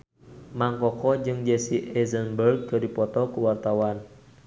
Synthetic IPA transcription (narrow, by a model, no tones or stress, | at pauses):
maŋkɔkɔd͡ʒɨŋd͡ʒɛsiɛzənbərɡ̚kədipɔt̪ɔkuwart̪awan